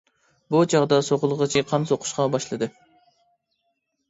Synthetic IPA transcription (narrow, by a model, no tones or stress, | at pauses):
but͡ʃʰɑʁd̪ɑsoʁʊlˠʁət͡ʃʰiqʰɑnsoqʰʊ̥ʃqɑbɑʃlˠɨd̪ɨ